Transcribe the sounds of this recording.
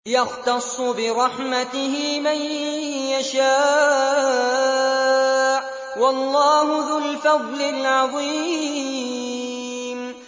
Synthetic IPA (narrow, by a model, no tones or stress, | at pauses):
jɑxt̪ɑsˤːʊbɪɾˤɑħmat̪ɪhɪmanjaʃaː | ʕ | wɑlːɑːhʊðʊlfaðˤlɪlʕɑðˤi | m